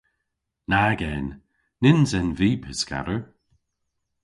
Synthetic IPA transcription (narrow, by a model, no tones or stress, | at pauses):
naɡɛn | nɪnzɛnviːpʰɪska̰ɾə